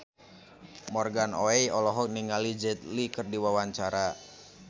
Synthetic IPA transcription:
mɔrɡanoɛjɔlɔɦɔk̚niŋalid͡ʒɛt̪̚likɨrdiwawaɲt͡ʃaɾa

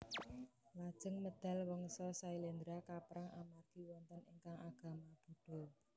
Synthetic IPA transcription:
lad̥ʒ̥ə̤ŋməd̪̥a̤lwɔŋsɔsailend̪ɾakapɾaŋʔamarɡ̥iwɔnt̪əniŋkaŋaɡ̥a̤mab̥ṳɖ̥ɔ̤

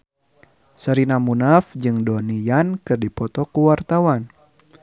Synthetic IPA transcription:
səɾinamunafd͡ʒɨŋdɔnijankɨrdipɔt̪ɔkuwart̪awan

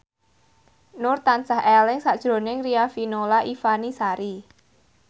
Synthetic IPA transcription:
nʊrt̪ant͡ʃaɦɛlɪŋsad̥ʒ̥ɾo̤nɪŋriafinolaʔifanisaɾi

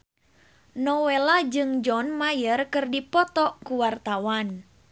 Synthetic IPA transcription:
nɔwelad͡ʒɨŋd͡ʒɔnmajərkɨrdipɔt̪ɔkuwart̪awan

